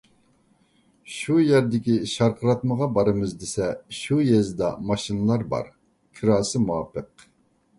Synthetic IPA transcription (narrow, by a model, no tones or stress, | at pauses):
ʃujɛɾd̪ɪkʲiʃɑɾqʰəɾɑt̪məʁɑbɑɾɨmɨzd̪esɛʃujɛzd̪ɑ̰mɑʃinɨlˠɑɾbɑ̰ɾ | kʲʰɨɾɑːsɨmuwɑpʰːəq